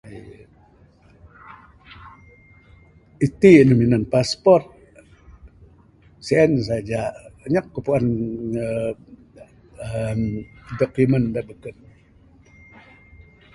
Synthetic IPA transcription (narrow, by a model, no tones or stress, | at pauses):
it̪inuminənpaspɔrt̪̚ | siɛns̬ad͡ʒaəɲəkːəpuan | mdɔkuməndabəkən̚